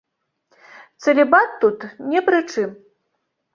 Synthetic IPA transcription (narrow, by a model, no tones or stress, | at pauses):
t̪sɐlʲɛbat̪ːut̪nʲɛpɾɨt͡ʂɨm